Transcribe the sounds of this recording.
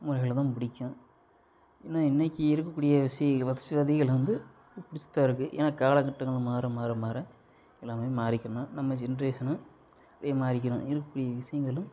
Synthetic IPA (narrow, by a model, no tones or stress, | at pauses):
mʊɾɐɪɣɐɭt̪ãːnpʊɽɪkʲːʊ̃ | ɛnːaːɪnːɛkʲːiɪɾɯk̬ːɐkːuːɽɪjɐʋɪʂɐjɐŋʋɐðɪsɯʋɐðɪɣɐɭʋɐnd̪ɯ | pʊɽɪt͡ʃːɯ̥t̪ːaːɪɾɯkːɯʔḛːnaːkaːɭɐkɐʈːɐŋɡɐɭɯmaːɾɐmaːɾɐmaːɾɐ | ɛlːaːmemaːɾɪkʲːɪɾɐnːaːnɐmːɐd͡ʒɛnɐɾeːʂɐnɯ̃ | ɽɐjɐmaːɾɪk̬ʲːɐɾʊ̰̃ɪɾɯkːɐkːuːɽɪjɐʋɪʂɐjɐŋɡɐɭɯ̃m